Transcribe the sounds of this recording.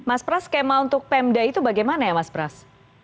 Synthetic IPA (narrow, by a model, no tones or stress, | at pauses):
maspɾaskemaunt̪ʊk̚pɛmdait̪ubaɡajmanajamaspɾas